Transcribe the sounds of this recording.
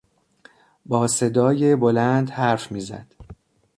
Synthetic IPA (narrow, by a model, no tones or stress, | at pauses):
bɒːse̞d̪ɒːje̞bo̞lænd̪hæɾfmiːzæ̰d̪̥